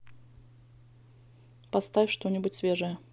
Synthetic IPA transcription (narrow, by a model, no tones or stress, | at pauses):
pɐst̪afʲʂt̪o̞nʲɪbʊtʲsvʲe̞ʐəjə